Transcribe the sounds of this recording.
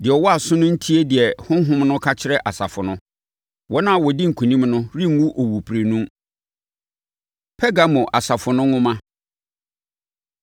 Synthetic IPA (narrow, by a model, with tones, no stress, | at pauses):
dɪ˨ɛ˨wɔ˦a˨sʊ̃˦nʊ̃˦n̩˦tʰi˦e˦dɪ˨ɛ˨hʊ̃˦ɦʊ̃˦mnʊ̃˦kʰa˦t͡ɕʰɪ˦ɾɛ˦ʔa˨sa̰˨fʊ˨nʊ̃˦ | wɔ˦nã˦˨wɔ˨di˦ŋ̩˨kʰũ˨nĩ˦mnʊ̃˦ɾĩ˦˨ŋ˦wu˦ʔo˨wu˨pʰɾe˨nũ˦ | pʰɛ˦ɡa˨mʊ̃˨ʔa˨sa˨fʊ˨nʊ̃˦ʊ̃˦mã˦